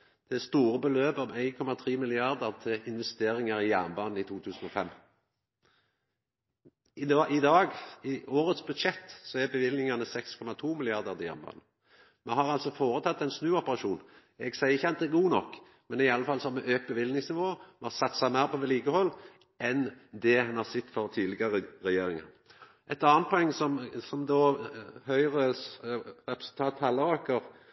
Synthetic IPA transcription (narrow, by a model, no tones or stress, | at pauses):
d̪̥ɛst̪uːɾəbəløːbɑʋæɪnkʰɔmɑt̪ʰʁiːmɪlɪɑʁd̪əʁt̪ʰɪlɪnʋɛst̪eːɾɪŋɑʁɪjæʁnbɑːnn̩ɪt̪ʰuːt̪ʰʉːsn̩ɔfɛmː | ɪʔɪd̪ɑːɡɪʔoːɾət̪sbʉd̪ʃɛt̪ːsɔæbəʋɪlnɪŋɑnəsɛkskʰɔmɑt̪ʰuːmɪlɪɑʁd̪əʁt̪ɪjæ̰ːʁnbɑ̰ːn | mɛhɑʁɑlsɔfoːɾət̪ʰɑt̪ːɛɪnsnʉːɔpəʁɑʃuːn | ɛɡsæɪɪçːəɑt̪̚d̪ɛɡuːnɔkː | mɛnɪɑlːəfɑlːsɔhɑɾmɛʔøːk̚t̪bəʋɪlnɪŋsnɪʋoːmɛhɑsɑt̪ːsæɪmæɪʁpʰɔʋɛliːɡəhɔlː | ɛnd̪ɛhɑnhɑsɛt̪ːfɔʁt̪ʰiːd̪lɪɡɑʁəʁɛjeːɾɪŋə̰ | ʔɛt̪ɑːnt̪pʰɔɛŋːsɔmsɔmd̪oːhœʏʁə | ʁɛpɾə̥sʉl̩t̪ʰɑːt̪hɑlːəɾɑːkəʁ